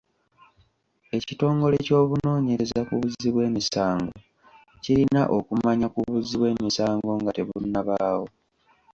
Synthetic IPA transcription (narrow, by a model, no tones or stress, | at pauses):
e̞cito̞ːŋɡo̞le̞co̞ːβuno̞ːɲe̞ɾezakuβuziβwe̞ːmisaːŋɡo̞ | ciɾinaʔo̞kumaɲakuβuziβwe̞ːmisaːŋɡo̞ŋɡate̞βunːaβaːwo̞